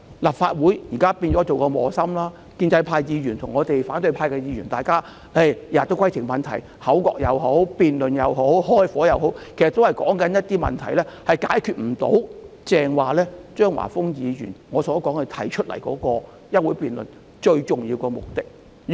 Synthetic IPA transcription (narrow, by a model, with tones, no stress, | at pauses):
la˨p̚faː˧t̚wuː˨˥jjiː˨˩kaː˥piː˧nt͡ʃɔː˨˥t͡so˨wkɔ˧mɔː˨˧sɐ˥mlaː˥ | kiː˧nt͡sɐ˧jpʰaː˧jjiː˧jyː˨˩nt̪ʰʊ˨˩ŋɔː˨˧t̪e˨jfaː˨˥nt̪ɵ˧jpʰaː˧jkɛ˧jiː˧ɥyː˨˩nt̪aː˨jkaː˥ | e˥˩jjaː˨t̪o˥wkʷɐ˥jtʰɪ˨˩ŋmɐ˨nt̪ʰɐ̰˨˩j | hɐ˨˥wkɔː˧k̚jɐ˨˧wɦo˨˥wpiː˨nlɵ˨njɐ˨˧wɦo˨˥whɔː˥jfɔː˨˥jɐ˨wɦo˨˥wkʰe˨˩st̪ːo˥whɐ˨jkɔː˨˥ŋkɐ˨˦˥njɐ˥t̚t̪iː˥mɐ̰˨nt̪ʰɐ˨˩jlɛ˥hɐ˨jkaː˨˥jkʰyː˨t̚m̩˨˩t̪o̰˨˥w | t͡sɛː˨˧ŋwaː˨˩lɛː˥t͡ʃœː˥ŋwa̰ː˨˩fʊ˥ŋjiː˨˧jy̰ː˨˩nŋɔː˨˧sɔː˨˥kɔː˨˥ŋkɛ˨t̪ʰɐ˨˩jt͡ʃʰɵ˥t̚lɐ˨˩jkɔ̰ː˨˥kɔː˧ | jɐ˥t̚wuː˨˥piː˨nlɵ̰˨n | t͡ʃɵ˧ɥt͡sʊ˨ŋji˧wkɛː˧mʊ˨˩k̚t̪ɪ˧k̚